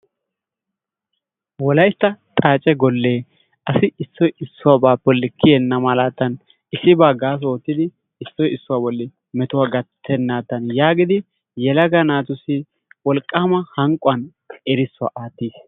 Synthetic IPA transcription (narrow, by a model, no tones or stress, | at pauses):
wɔlɐjt̪ːɐt̪ʼaːt͡ʃʼɛɡɔlːeː | ɐsɪɪsːɔjɪsːʊwaːbaːpːɔlːɪkʰːɪjɛnːɐmɐlaːt̪ːɐn | ɪsːɪbaːɡaːs̬oːt̪ːɪd̪ɪ | ɪsːɔjɪsːʊwaːbɔlːɪ | mɛt̪ʊwaːɡɐt̪ʰːɛnːaːt̪ːɐnjaːɡɪd̪ɪ | jɛlɐɡɐnaːt̪ʊsi | wɔlkʼːaːmɐhɐŋkʼʊɐn | ɛɾɪsːʊwa̰ʔaːt̪ːiːs